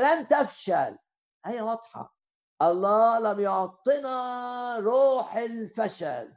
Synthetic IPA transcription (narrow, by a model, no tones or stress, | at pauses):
lant̪afʃa̰l | hajːawɑd̪ˤħɑ̰ | ʔɑlˤːɑːlamjʊʕt̪ˤːɨnɑɾˤuːħɪlfaʃa̰l